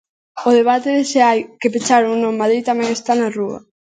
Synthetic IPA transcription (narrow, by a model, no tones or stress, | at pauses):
oðeβat̪eðeseajkepet͡ʃaɾuŋnomaðɾijt̪amɛŋest̪anaruɐ̰